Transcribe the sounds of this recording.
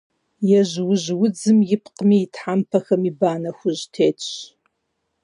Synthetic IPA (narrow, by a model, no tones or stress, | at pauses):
jɛʑwʊʑwʊd͡zɨmjɪpʰqəmiːtʰħampʰɐxɐmiːbaːnɐxʷʊʑtʰeːtʼɕ